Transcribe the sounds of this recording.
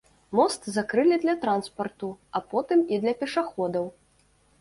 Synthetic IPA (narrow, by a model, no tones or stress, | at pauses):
mɔst̪zakɾɨlʲid̪lʲɐt̪ɾanspɐrt̪uapɔt̪ɨmid̪lʲɐpʲɛʂaxɔd̪ɐw